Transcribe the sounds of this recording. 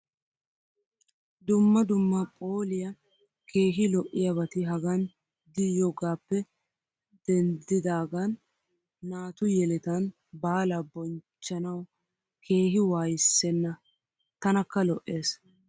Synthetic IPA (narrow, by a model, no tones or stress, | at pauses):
d̪ʊmːɐd̪ʊmːɐpʼo̞ːlɪjɐ | kʰe̞ːɦɪlɔʔɪjɐbɐt̪ɪɦɐɡɐn | d̪ɪjoːɡaːpːɛ | d̪ɛnd̪ɪd̪aːɡɐnː | aːt̪ʊjɛlɪt̪ɐn | baːlɐbɔnt͡ʃːɐnɐw | kʰe̞ːɦɪwaːjɪsːɛnːɐ | t̪ɐnɐkːɐlɔʔːe̞ːs